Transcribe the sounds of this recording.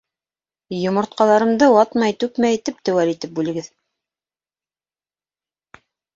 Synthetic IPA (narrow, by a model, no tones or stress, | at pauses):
jŏmŏɾt̪qɑlˠɑɾɤ̆md̪ɤwɑt̪mɑjt̪ʉkmæjit̪ip̚t̪ɘ̆wælit̪ɘp̚bʉlɘ̆ɡɘð